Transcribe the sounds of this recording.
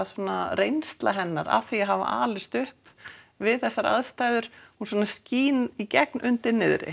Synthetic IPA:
asɔːnarejnst̪laɦɛnːaɾa̰θiaɦava̰ʔa̰ːlɪst̪ʏhp | vɪðθɛsːaɾa̰ðst̪aːjðʏɾ̥hunsɔːnasciːnicɛk̚nʔʏnt̪ɪɾnɪðɾɪ̰

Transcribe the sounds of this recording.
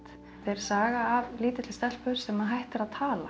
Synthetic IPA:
t̪ | θeɾ̥saːɣaːvliːt̪ɪt̪lɪ̥st̪ɛl̥pʏɾ̥sɛmaðɦajht̪ɪɾaðt̪ʰaːla̰

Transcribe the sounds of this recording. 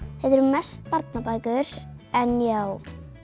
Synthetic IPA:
θɛt̪ɛɾmɛst̪paɾt̪napaːjkʏɾ̥ | ɛnjaw

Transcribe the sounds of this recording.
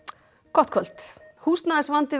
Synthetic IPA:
kʰɔht̪kʰœl̥t̪hust̪naðɛsvant̪ɪ

